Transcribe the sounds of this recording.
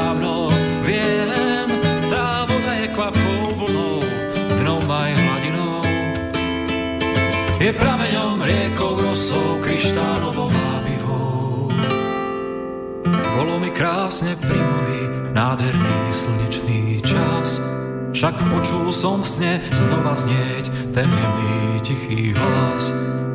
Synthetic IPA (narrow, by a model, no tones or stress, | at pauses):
anɔ | vɪɛɦɛmd̪ɾaːʋɔnajɛkʋapɔblɔ | d̪nɔmajɦlaɟinɔ | jɛpɾamɛɲɔmɾɪɛkɔwɾɔsɔwkɾiʃt̪aːnɔʋɔmabiʋɔ | bɔlɔmikɾaːsɲɛpɾimiʋiː | naːd̪ɦɛɾniːsəl̩ɲɛt͡ʃniːt͡ʃas | fʃakpɔt͡ʃulsɔmfsɲɛznɔʋazɲɪɛc | t̪ɛmɛniːcixiːɦɔlas